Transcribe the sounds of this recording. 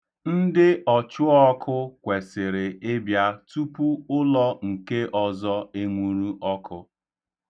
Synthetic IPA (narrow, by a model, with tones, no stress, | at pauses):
n̩˦dɪ˦ʔɔ˨t͡ʃʊ˦ɔ˦kʰʊ˦kʷe˨sɪ˨ɾɪ˨e˦bja˦tu˦pu˦ʊ˦lɔ˦ŋ̩˨ke˦ʔɔ˨zɔ˦e˦ŋʷu˦ɾu˦ʔɔ˦kʰʊ˦